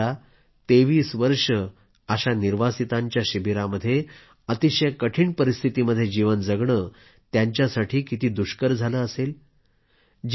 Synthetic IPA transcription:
a | t̪eʋiːsʋəɾʂə | əɕaniɾʋasit̪ãɲt͡ɕjaɕibiɾaməd̪ʱːje | ət̪iɕəjkəʈʰiːɳpəɾist̪ʰit̪iməd̪ʱːjed͡ʑiʋənd͡zəɡɳə | t̪jaɲt͡ɕjasaʈʰiːkit̪iːd̪uɕkəɾd͡zʱaləːəsel | d͡ʑ

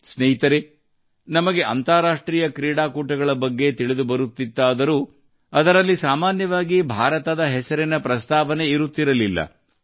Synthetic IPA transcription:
sneɦit̪ɐɾe | nɐmɐɡe̞ʔɐnt̪aːɾaːʂʈɾiːjɐkɾiːɽaːkuːʈɐɡɐɭɐbɐɡːe̞t̪iɭid̪ubɐɾut̪ːid̪ːaːd̪ɐɾu | ɐd̪ɐɾɐlːisaːmaːnjɐʋaːɡibʱaːɾɐt̪ɐd̪ɐɦɛsɐɾinɐpɾɐst̪aːʋɐne̞iɾut̪ːiɾɐlilːɐ̰

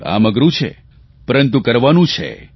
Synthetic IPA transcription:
a̰məɡɾũt͡ʃʰḛ | pəɾənt̪̬ũkəɾʋanũt͡ʃʰḛ

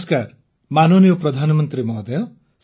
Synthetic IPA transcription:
skaɾ | manonijopɾɔd̪ʱanɔmɔnt̪ɾimɔɦd̪ejɔ | s

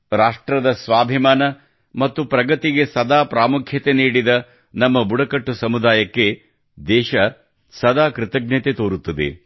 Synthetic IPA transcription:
ɾaːʂʈɾɐd̪ɐsʋaːbʱimaːnɐ | mɐt̪ːupɾɐɡɐt̪iɡesɐd̪aːpɾaːmukʰjɐt̪eniːɽid̪ɐ | nɐmːɐbuɽɐkɐʈːusɐmud̪aːjɐkːe̞ | d̪ɛːʃɐ | sɐd̪aːkɾɪt̪ɐɡ̚nɐt̪et̪oːɾut̪ːɐd̪ḛ

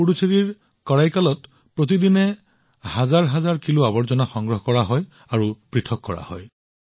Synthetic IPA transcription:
puɽusʰeɹiɹ | kɔɹajkalɔt | pɹot̪̬idinɛ | hazaɹɦazaɹkiluabɔɹzɔnaxɔŋɡɹɔɦkɔɹaɦɔj | aɹupɹitʰɔkːɔɹa̰hɔ̰j

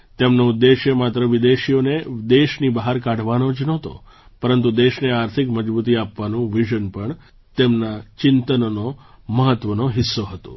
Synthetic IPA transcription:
t̪emnoʊd̪ːeʃjəmat̪ɾəʋɪd̪eʃioned̪eʃnibəɦaɾkaɽ̤ʱʋanod͡ʒnot̪o̰ | pəɾənt̪ud̪eʃneaɾt̪ʰɪkməd͡ʒbut̪̬iapʋanũʋiʒənpəɳ | t̪emnat͡ʃɪnt̪ənnoməɦət̪ːʋənoɦɪsːoɦət̪o̰

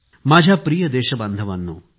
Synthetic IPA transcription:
maːd͡ʒʱjapɾijɐd̪eːʃɐbɐnd̪ʱɐʋɐnːṵː

